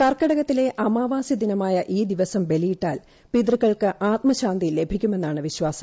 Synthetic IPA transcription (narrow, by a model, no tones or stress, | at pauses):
kɐrkɐɽɐɣɐt̪ːile̞ʔɐmaːʋaːsid̪inɐmaːjɐʔiːd̪iʋɐsɐmbe̞lijiʈːaːl | pid̪rɨkːɐɭkɨʔaːt̪̚mɐɕaːnd̪ile̞bʱikʲːume̞nːaːɳɨʋiɕwaːsɐm